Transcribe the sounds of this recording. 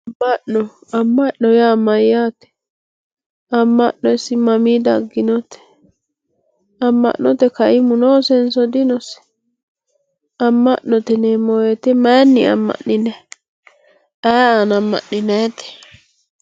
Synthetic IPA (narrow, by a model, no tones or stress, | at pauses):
ɐmːɐʔɔ | ɐmːɐʔːɔjamɐjːaːt̪ɛ̥ | ɐmːɐ̰ʔːɔɪsːɪmɐmiːd̪ɐɡːɪnɔt̪ɛ̥ | ɐmːɐ̰ʔːɔt̪ɛkɐʔɪmʊnoːsɛnsɔd̪ɪnɔsɛ̥ | ɐmːɐʔnɔt̪ɛneːmɔjɛt̪ɛmɐjnːɪɐ̰mːɐ̰ʔːɪnɛ | ɐjaːnɐmːɐ̰ʔːɪnɛt̪ɛ̥